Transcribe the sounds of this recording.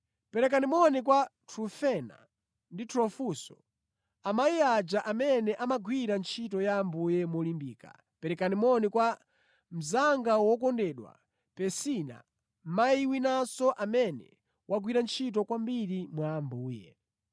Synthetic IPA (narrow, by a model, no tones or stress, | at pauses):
pɛɾɛkanimɔnikwatʰɾufɛna̰ | nditʰɾɔfusɔ̰ | amajiad͡ʒaʔamɛnɛʔamaɡwiɾant͡ʃʰitɔjambujɛmwɔlimbḭːka̰ | pɛɾɛkanimɔnikwa | m̩zaŋɡawɔk̬ɔndɛɗwa̰ | pɛsina̰ | maiwinasɔʔamɛnɛ̰ | wʔaɡwiɾant͡ʃʰit̬ɔkwambiɾimwambuːjɛ̰